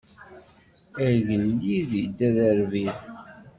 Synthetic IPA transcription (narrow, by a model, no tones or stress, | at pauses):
əɾʝəlːiðid̪ːæðəɾviɾ